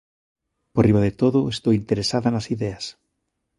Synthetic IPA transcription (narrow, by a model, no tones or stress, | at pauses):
poriβaðet̪oðoest̪owint̪eɾesaðanasiðeas